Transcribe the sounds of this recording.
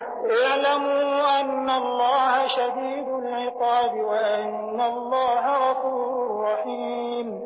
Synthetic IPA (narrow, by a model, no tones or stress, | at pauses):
ʔaʕlamuʔanːalˤːɑːhaʃad̪iːd̪ʊlʕɪqɑːbɪwaʔʔɪnːalˤːɑːɦaɾɑfuːɾʊʊrːɑħiː | m